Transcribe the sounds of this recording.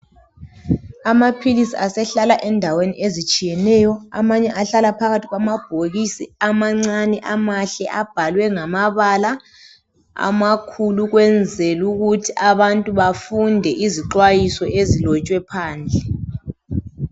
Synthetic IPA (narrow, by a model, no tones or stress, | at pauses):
amapʰilisiasɛɬalaʔɛndʱaweniʔezit͡ʃʼijɛnɛjɔa̰maɲɛʔaɬalapʰaɣatʰiɣwamab̥ʱoɣisiamaŋ͡ǀanɛʔamaɬɛʔab̥ʱalwɛŋamaβala | a̰makʰuluɣwɛnd͡zʱɛluɣutʰiʔaβantʼuβafundʱɛʔiziǁwajisɔʔezilɔt͡ʃʼwɛpʰaːnd͡ɮʱɛ